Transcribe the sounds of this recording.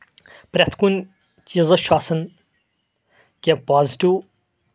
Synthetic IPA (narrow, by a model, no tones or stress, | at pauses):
pɾʲet̪ʰkun | t͡ʃizɐʃaːsɨn | kʲepaːziʈiw